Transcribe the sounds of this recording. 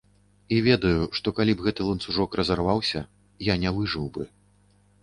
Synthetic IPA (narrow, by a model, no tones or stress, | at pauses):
ivʲɛd̪ɐjuʂt̪ɔkalʲibɣɛt̪ɨlˠɐnt̪suʐɔkrɐzarvawsʲɐ | janʲɛvɨʐɨwbɨ